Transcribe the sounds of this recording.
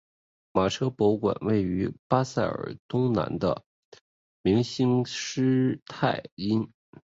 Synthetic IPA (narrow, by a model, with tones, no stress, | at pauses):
ma˨˩ʈ͡ʂʰɤ˥pɔ˧˥kwa̰˨˩nwe˥˩ɪy˧˥pa˥sa˥˩ɪə̰˨˩t̪ʊ˥ŋna̰˧˥nd̪ə̰˧ | mi˧˥ŋɕi˥ŋʂɻ̩˥t̪ʰa˥˩ɪi˥n